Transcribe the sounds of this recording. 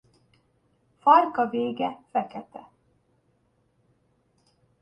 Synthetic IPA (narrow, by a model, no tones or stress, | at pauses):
fɒrkɒveːɡɛfɛkɛt̪ɛ